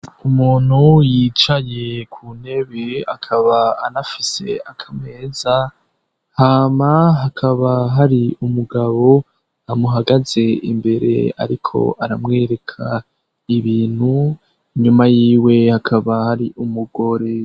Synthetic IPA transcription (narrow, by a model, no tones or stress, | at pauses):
umuːn̥hujit͡ʃaje̞kʰuːne̞βea̰kʰaβaːnafise̞̰akʰamŋe̞ːza | haːmaɦakʰaβaɦaɾiumuɡaβo̞ | amuɦaɡaze̞ḭmbe̞ɾe̞̰a̰ɾikʰo̞̰ʔaɾamŋe̞ːɾe̞kʰa | iβiːn̥hu | iɲumajiːwe̞hakʰaβahaɾiʔumuɡo̞ɾe̞